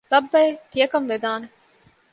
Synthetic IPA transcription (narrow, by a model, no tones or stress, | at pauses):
lɐbːɐet̪ijɐkɐmʋed̪aːne